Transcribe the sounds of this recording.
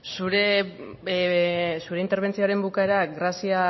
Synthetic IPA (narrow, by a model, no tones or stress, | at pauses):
suɾe | suɾe̞int̪e̞ɾβ̞e̞nt͡sioaɾe̞mbukaeɾaɣɾasia